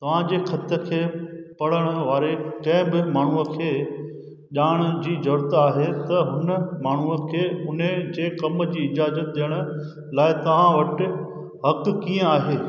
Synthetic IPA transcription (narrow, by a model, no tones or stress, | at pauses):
t̪ɐʋ̤ãd͡ʑeːxʰɐt̪ə̆kʰeːpɐɽ̤əɽ̃ə̆ʋaːɾekɐ̃ɪ̃bɪmaːɳ̤uəkʰeː | ʄaːɽ̃ʊ̆d͡ʑiːzɐɾt̪aːɦet̪ɐɦʊnəmaːɳ̤uəkʰeːʊnəd͡ʑeːkɐmd͡ʑiːɪd͡ʑaːzət̪̚ɗ̪ijəɽ̃ʊ̆ | laːɪt̪ɐʋ̤ãʋɐʈɪ̆ | ɦɐkkijə̃aːɦeː